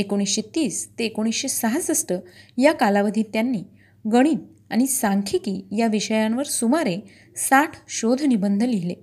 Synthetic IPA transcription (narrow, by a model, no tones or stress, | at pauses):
ekoɽ̃isɕet̪iːst̪eːkoɽ̃isɕesaɦət͡səsʈ̪əːjakalaʋəd̪ʱiːt̪janːiː | ɡəɽ̃iːt̪ | aɽ̃isaŋkʰikiːjaʋiɕəjãnʋəɾsumaɾe | saʈʰɕod̪ʱnibənd̪ʱəliɦile